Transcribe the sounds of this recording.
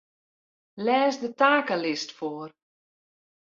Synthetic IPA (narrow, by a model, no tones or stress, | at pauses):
lɛːsdətaːkəlɪstfoːr